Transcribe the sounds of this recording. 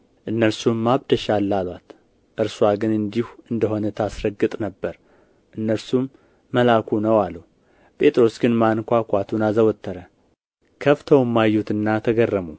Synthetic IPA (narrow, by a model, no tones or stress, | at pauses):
ʔɨnːəɾsumːaβd̪əʃalːalwat̪ | ʔɨɾswaɡɨnɨnd̪ihuɨnd̪əho̞nət̪ʰasɾəɡːɨt̪ʼnəbːəɾ | ʔɨnːəɾsumː | əlakʰunəwalːu | pʼe̞t̪ʼɾo̞sɡɨnmankʷakʷat̪ʰunazəwɔt̪ʰːəɾə | kʰəft̪ʰəwmːajːut̪ʰɨnːat̪ʰəɡərːəmu